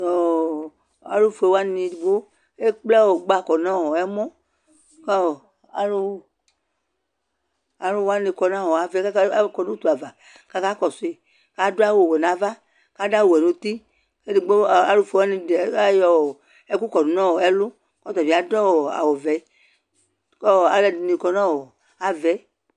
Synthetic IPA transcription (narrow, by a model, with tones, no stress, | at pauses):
ɔ˨ | a̰˨lu˦fe˨wa˦nĩ˧i˨ɡ͡bo˦ | e˦k͡plɛ˦wo˨ɡ͡ba˦˨kɔ˨nã˦wɔ˨ɛ˦mɔ̃˦ | k | a˨lu˦ | a˨lu˦wa˦nĩ˨˧kɔ˨nã˦˨wɔ˨a˨ve˨˦kɔ˨nũ˦t̪u˨a˨va˨ | ka˧ka˦kɔ˨se˨ | ka˨˦do˦a˦wo˨wɛ˨nã˨va˦ | ka˨˦da˦wu˨ɛ˨nũ˨t̪i˦ | ke˦di˨ɡ͡ba˨lu˦fo˨˦nĩ˨˦jɔ˨wɔ˨ | e˦ku˦kɔ˨nu˨nã˦wo˨ɛ˦lo˦ | kɔ˦t̪ɔ˨d͡ʒi˨a˨dɔ˦wɔ˨a̰˨wɔ˨vɛ˨˦ | kɔ˦˨a˨lɛ˦˨dni˨kɔ˨nã˦wɔ˨ | a˨vɛ˨˦